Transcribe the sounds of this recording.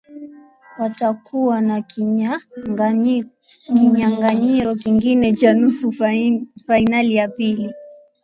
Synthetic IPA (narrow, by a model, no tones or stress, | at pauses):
watakʰuwana | kiɲaŋɡaɲiɾɔkiŋɡinɛt͡ʃanusu | fainalijapili